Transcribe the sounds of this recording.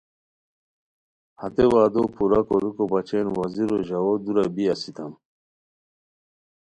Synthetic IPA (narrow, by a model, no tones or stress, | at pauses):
hat̪ewaːd̪opʰuɾakoɾukobat͡ɕenwaziɾoʑawod̪uɾabiasit̪ʰɐm